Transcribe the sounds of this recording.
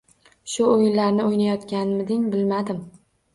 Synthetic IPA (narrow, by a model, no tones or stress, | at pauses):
ʃʊojɪnlaɾnɪojnajɒt̪kʲanmɪd̪ɪŋbɪlmad̪ɪm